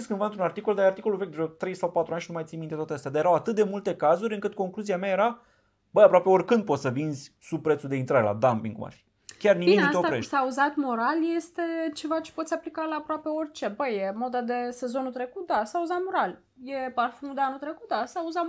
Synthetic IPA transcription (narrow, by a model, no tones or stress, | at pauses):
skɨnvaɨnt̪ɾunart̪ikold̪ajeart̪iko̞luvekd̪uɾot̪ɾe̞jsawpat̪ɾuanʃinumajt̪simint̪et̪at̪east̪ʲad̪ajeɾawat̪ɨt̪̚d̪e̞mult̪e̞kazuɾʲɨŋkɨt̪ko̞ŋkluziameajeɾa | b̥əjapɾwape̞o̞ɾʲkɨnd̪̚posəvinzʲ | sub̚pɾet̪sud̪e̞int̪ɾaɾela̰d̪ampḭŋkṵma̰rfi̥ | kʲarnimik̪iaeosɾeʃsauzat̪mo̞ɾalje̞st̪e̞t͡ʃe̞vat͡ʃe̥po̞t̪sʲaplikalaːpɾoape̞o̞rʲt͡ʃe̞bəjemo̞d̪ad̪ese̞zo̞nut̪ɾe̞kut̪̚d̪asauzat̪mo̞ɾal | je̞parfunud̪eanut̪ɾe̞ku̥t̪̚d̪asauza